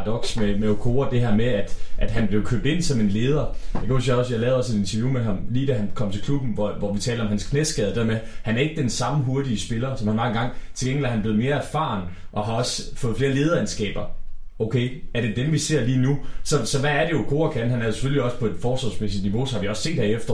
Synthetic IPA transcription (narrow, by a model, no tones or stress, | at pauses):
d̥ɒ̽ɡ̥smemeokʰo̝̰ːɐd̥e̝ɦæɐ̰meæd̥ʔæd̥ɦænb̥le̝ʊkʰøb̥̚d̥e̝n̰sɒ̽me̝nle̝ːð̞ˠɐjɑ̈kʰæɒsijɒ̽sjɑlɛːðˠɒ̽se̝d̥e̝nt͡sʰɐjumeɦɑ̈mliːd̥æɦænkʰɒ̽m̰t͡sʰe̝lkʰlub̥n̩ʋɒʋɒʋit͡sʰɛ̰ːlɒmhænskʰne̥sɡ̥ð̞ˠd̥e̝ðɐmehænæɐe̝ɡ̥əd̥ensɑ̈məɦo̝ɐd̥iəsb̥e̝lɐsɒ̽mhænmɑ̈ŋ̩ɡ̥ɑ̈ŋ̰t͡sʰe̝lɡeŋ̰l̩æɐhænble̝ːð̩ˠme̝ːɐæɐfɑ̈ːn | ʔɒ̽ɦɑ̈ɒ̽sfɔ̽ð̩ˠfle̝ːɐle̝ːð̞ˠɐænsɡ̥ɛ̰ːb̥ɐ | oʊkʰeɪæɐɾ̥e̝d̥emʋise̝ɐ̰liːnusɒ̽sɒ̽ʋæːɐd̥e̝okʰo̝ːɐkʰænɦænæɐjo̝se̥føliɒ̽spʰɒ̽e̝d̥fɒːsʋɑsmesid̥niʋo̝sɒ̽hɑ̈ʋiɒ̽sse̝̰ːd̥hæɐefd̥ɐ